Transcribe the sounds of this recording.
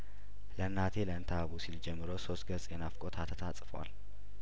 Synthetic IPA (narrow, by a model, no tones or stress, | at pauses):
lənːat̪ʰe̞ləɨnt̪ʰaβusild͡ʒɛmːɨɾoso̞st̪̚ɡəsʼjɛnafkʼo̞t̪ʰat̪ʰət̪ʰat͡sʼfəwa̰l